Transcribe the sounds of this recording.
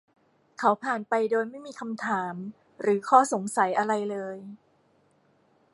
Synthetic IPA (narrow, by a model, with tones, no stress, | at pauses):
kʰa˦wpʰaː˨˩npa˧jdoː˧jma˥˩jmiː˧kʰa˧mt̪ʰaː˩˦m | ɾɯː˩˦kʰɔː˥˩so˨˩˦ŋsa˩˦jʔa˧ɾa˧jlɤː˧j